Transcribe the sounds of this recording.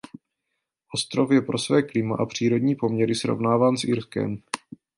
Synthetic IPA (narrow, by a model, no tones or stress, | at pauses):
ʔo̞st̪ɾo̞fjɛpɾo̞svɛːklɪma̰ʔapr̝̥iːɾo̞dɲiːpo̞mɲɛɾɪsɾo̞̰vnaːvaːnsʔɪɾskɛ̰m